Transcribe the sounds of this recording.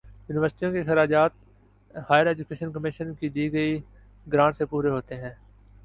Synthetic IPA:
juːnɪʋəɾsʈijõkexɐɾaːd͡ʒaːt̪̚ | haːjəɾɛːd͡ʒʊkeːʃənkəmɪʃənkid̪iːɡəi | ɡɾãːɳʈsepuːɾeɦoːt̪eɦɛ̃ː

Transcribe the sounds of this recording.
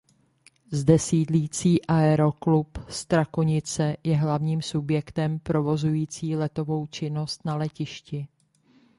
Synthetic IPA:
zdɛsiːdliːt͡siːʔaɛɾo̞klupst̪ɾakoɲɪt͡sɛjɛɦlavɲiːmsubjɛkt̪ɛmpɾo̞vo̞zujiːt͡siːlɛt̪o̞vo̞wt͡ʃɪno̞st̪nalɛcɪʃcɪ

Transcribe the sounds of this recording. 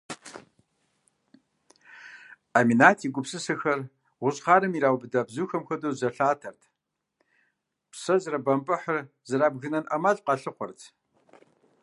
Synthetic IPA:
aːminaːtʰiːɡʷʊpsɨsɨxɐr | ʁʷʊɕʼχaːɾɨmiɾaːwbɨdɐbzuːxɐmxʷɐdoːzɐɬaːtʰɐrtʰ | psɐzɨɾɐbɐmpʼɨħər | zɐɾaːbɣɨnɐnʔɐmɐɮqɑɬɨqʷɔrtʰ

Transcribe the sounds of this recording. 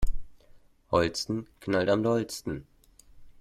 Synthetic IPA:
hɔlt͡stn̩kʰnaltamdɔlt͡stn̩

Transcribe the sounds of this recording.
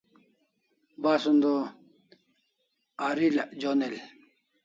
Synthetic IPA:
basund̪o | aɾilad͡ʑonel

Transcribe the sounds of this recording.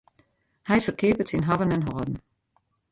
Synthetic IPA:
hɛjfərkʰɪːpətsinɦavənɛnɦɔːdn̩

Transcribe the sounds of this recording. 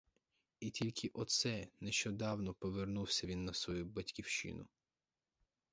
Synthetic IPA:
itʲilʲkʰɪʔɔt̪sɛneʃt͡ʃɔd̪ɑwnɔpɔʋernuwsʲɐʋʲinːɐsʋɔjubɐtʲkʲiwʃɪ̰nʊ̰

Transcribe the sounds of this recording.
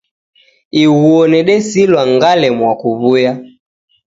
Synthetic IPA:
iwuɔnɛɗɛsilwaŋɡalɛmwakuβuja

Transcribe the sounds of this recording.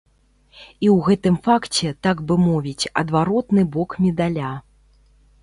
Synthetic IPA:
iwɣɛt̪ɨmfakt͡sʲɛt̪aɡbɨmɔvʲit͡sʲɐ̰d̪vaɾɔt̪nɨbɔkmʲɛd̪alʲa

